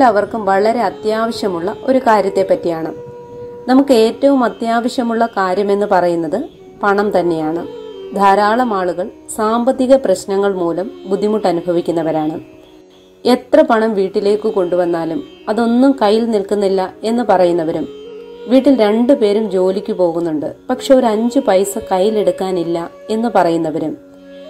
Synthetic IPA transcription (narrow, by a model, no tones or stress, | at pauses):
lɐʋɐrkumʋɐɭɐɾe̞ɐt̪jaːʋɐɕjɐmuɭːɐʔo̞ɾukaːɾjɐt̪ːe̞pːɐtːijaːɳɨ | nɐmukːɨe̞ːtːɐʋumɐt̪jaːʋɐɕjɐmuɭːɐkaːɾjɐme̞nːɨpɐrɐjunːɐðɨ | pɐɳɐmt̪ɐnːe̞jaːɳɨd̪ʱaːɾaːɭɐmaːɭuɣɐɭsaːmbɐt̪ːiɣɐprɐɕnɐŋːɐɭmuːlɐmbud̪ʱːimuʈːɐnubʱɐʋikʲːunːɐʋɐɾaːɳɨ | e̞t̪rɐpɐɳɐmʋiːʈːile̞ːkːɨko̞ɳɖuʋɐnːaːlum | ɐðo̞nːumkɐjːilnilkunːilːɐe̞nːɨpɐrɐjunːɐʋɐɾumʋiːʈːilɾe̞ɳɖɨpe̞ːɾumd͡ʑo̞ːlikʲːupo̞ːɣunːuɳɖɨ̰pɐkʂeo̞ɾɐɲd͡ʑɨpɐjsɨkɐjːile̞ɽukːaːnilːɐ | e̞nːɨpɐrɐjunːɐʋɐɾum